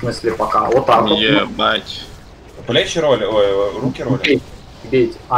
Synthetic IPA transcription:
mɨsʲlʲɪpɐka̰vot̪ːakjematʲ | plʲet͡ɕɪɾolʲɪojrukʲɪɾolʲe | bʲetʲa

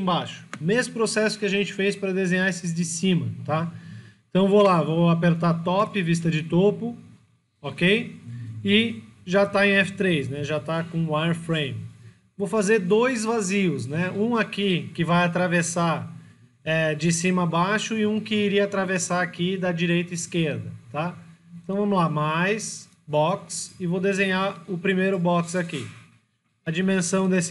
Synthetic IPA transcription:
ẽbaʃʊ̥mezmʊpɾosɛsʊ̥kɪaʒẽnt͡ʃɪ̥fejspɾɐd̪ezẽɲ̃aesɪzd͡ʒɪsĩmɐt̪aeẽt̪ɐ̃w̃volavowapeɾt̪at̪ɔpɪvis̬t̪ɐd͡ʒɪt̪opʊ | ɔkej | ɪʒat̪aẽj̃ɛfɪ̥t̪ɾejsnɛʒat̪akõwajɾfɾẽj̃m | vowfazeɾd̪ojzvaziʊsnɛũakikɪvajat̪ɾavesaɾ | ɛd͡ʒɪsĩmɐabaʃʊɪũkɪːɾiɐat̪ɾavesaɾakid̪ɐd͡ʒiɾejt̪ɐiskeɾd̪ɐt̪aɪ̃t̪ɐ̃w̃vɐ̃mʊlamajs | bɔksɪvod̪ezẽɲaʊpɾimejɾʊbɔksaki | ɐd͡ʒimẽsɐ̃w̃d̪esɪ

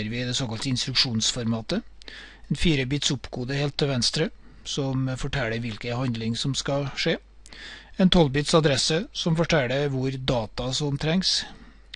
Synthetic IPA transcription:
əɾʋɪd̪ɛsoːkɑlt̪əɪnst̪ɾʉkʂuːnsfɔɾmɑːt̪ə | ɛnfiːɾəbiːt̪sʊpɡoːd̪əheːlt̪ʰːɪlʋɛnst̪ɾə | sɔmfɔʈʰɛləɾʋɪlkəhɑnd̪lɪŋsɔmskɑʂeː | ɛːnt̪ʰɔlbiːt̪sɑd̪ɾɛsəsɔmfɔʈʰɛləʋʊɾd̪ɑːt̪ɑsɔmt̪ʰɾɛŋs

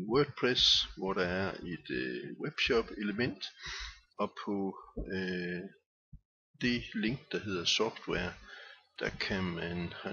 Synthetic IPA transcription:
nwøːɡ̥̚pʰʁɛsʋɒɾ̥ɑ̈æɐe̝d̥web̥ɕɒb̥e̝ləmen̰d̥ | ɒ̽pʰɒ̽ø | d̥e̝le̝ŋ̰ɡ̥d̥ɑ̈ɦe̝ð̞̰ˠɐsɒfd̥weɐd̥ɑ̈kʰæmænhæ

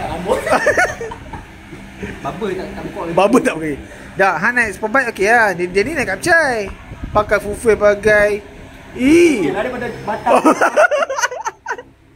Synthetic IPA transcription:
abo | babət̪aʔt̪akɔbabət̪aʔoke | daʔɦanajspəbajt̪̚okeaddanĩnaʔkap̚t͡ʃajpakafufebaɡajilaɾepadabat̪a

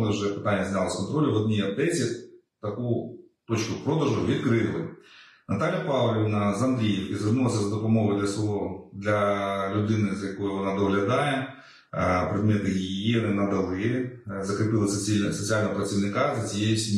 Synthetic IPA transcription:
nˠɪwʒɛpɪ̥t̪ɑnʲːɐzʲnʲalˠɐskɔnt̪ɾɔlʲʊʋɔd̪̚ʲnʲijɐd̪ɛt͡sʲi | t̪ɐkut̪ot͡ʃkʊpɾɔd̪ɐʒʊʋʲid̪kɾɪlˠɪ | nɐt̪ɑlʲjɐpɑwlʲiʋʲnɐzɐmd̪ɾʲijiwkɪzʋɨrnulˠɐsʲɐzɐd̪ɔpɔmɔɦɔjd̪lʲɐsˠɔlˠɔd̪lʲɐlʲʊd̪ɪnɪzɐjɐkɔjʊʋɔnɑd̪ɔɦlʲɐd̪ɑjɛ | pɾɪd̪̚mɛt̪ɪjɪjinɪnɐd̪ɐlˠɪjzɐkɾɪpɪlˠɐsʲsɔt͡sʲialʲnɐɦɔpɾɐt͡sʲiʋnɪkɑzɐt͡sʲijejʊsʲimʲ

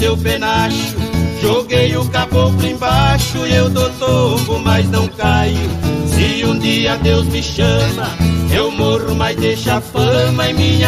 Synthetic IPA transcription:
sewpenaʃʊʒoɡejʊkabot̪ẽbaʃʊiewd̪ot̪obʊmajznɐ̃w̃kajʊsɪũd̪iɐd̪ewzmɪʃɐ̃mɐewmoɾʊmajzd̪eʃapɐ̃mɐẽmĩɲɐ

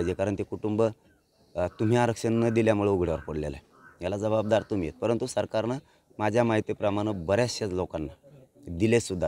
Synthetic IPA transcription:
jd͡ʑekaɾəɳt̪ekuʈumbə | t̪um̤iaɾəkʂənːəd̪iljamuɭeuɡʱɽeʋəɾpəɽlḛla̰ | jalad͡zəbab̚d̪aɾt̪um̤ijḛt̪̚pəɾənt̪usəɾkaɾna | mad͡ʑʱjamaɦit̪ipɾəmaɽ̃əbəɾjasat͡slokanːad̪ilesud̪ʱːa

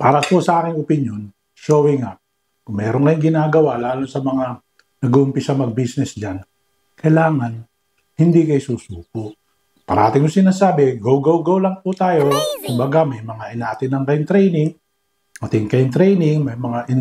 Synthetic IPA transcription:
paːɾɐpʊsɐʔaːkɪŋʊpɪnjon | ʃoːwɪŋaʔ | kʊŋmɛːɾonkɐjʊŋɡɪnaːɡɐwalaːlonsɐmɐŋa | nɐɡʊʔʊmpɪsɐmɐɡ̚bisnɛsd͡ʒan | kɐjlaːŋan | hɪnd̪ikɐjsuːsuːkoʔ | pɐɾɐaːt̪ɪŋʊsɪnaːsaːbɪɡowɡɐwɡɐwlɐŋpʊt̪aːjo̞kʊmbɐɡamɐjmɐŋaʔɪnaːt̪ɪnɐŋkɐjʊŋt̪ɾɛjnɪŋ | mɐt̪ɪŋkɐjʊnt̪ɾɛjnɪŋmɐjmɐŋaʔɪn

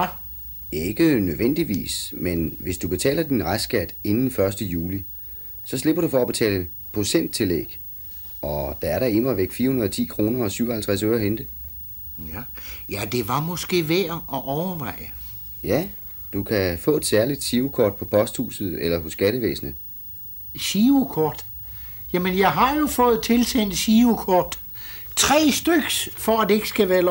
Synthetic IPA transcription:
e̝ɡ̥ənøðˠʋen̰d̥iʋḭːsmenʋe̝sd̥ub̥e̝t͡sʰɛ̰ːlɐd̥inʁasɡ̥æd̥e̝nn̩fɶɐsd̥əjuːli | sɒ̽sle̝b̥ɐɾ̥ufɒ̽ːb̥e̝t͡sʰɛ̰ːlə | pʰʁosen̰d̥̚t͡sʰe̝lḛːɡ̥ | ʔɒ̽d̥ɑ̈æɐɾɑ̈enmɐʋeɡ̥fiːɐhunɐðˠt͡sʰḭːkʰʁo̝ːnɐɒ̽syʊ̰ɒhælt͡sʰʁasøʊɐɦend̥ə | jæd̥e̝ʋɑ̈mɔ̽sɡ̥e̝̰ːʋeɐʔɒʔɒʊɐʋɑ̈ɪ̰əjæd̥ukʰæfɔ̰̽ːe̝d̥sæɐlid̥ɕiukʰɒːd̥̚pʰɒ̽pʰɒ̽sd̥hṵːsð̩ˠelɐɦosɡ̥æɾ̥əʋḛːsnə | ɕiukʰɒːd̥jæmənjɑ̈ɪɦɑ̈jo̝fɔ̽ːð̩ˠt͡sʰe̝lsen̰d̥ɕiukʰɒːd̥t͡sʰʁɛ̰ːsd̥øɡ̥sfɒæd̥eeɡ̥ə̥sɡ̥æʋæːɐ

